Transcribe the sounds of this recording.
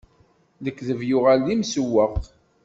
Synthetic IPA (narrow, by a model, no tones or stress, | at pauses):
ðəkːðəvjʊʁalːimsəwːəʁ